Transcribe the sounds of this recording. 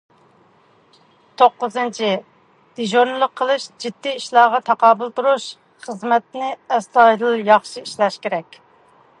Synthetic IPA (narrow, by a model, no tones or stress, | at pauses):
t̪ʰoqːʊzɨnt͡ʃʰi | d̪̥iʒonɨlˠəqʰːəlˠɨʃd͡ʒid̪ːiiʃlˠɑːʁɑt̪ʰɑqɑːbɨlˠt̪uɾuʃ | χəzmɛt̪̚nɪɛslɑd̪ɨlˠjɑχʃiiʃlɛʃkʲeɾɛkʲ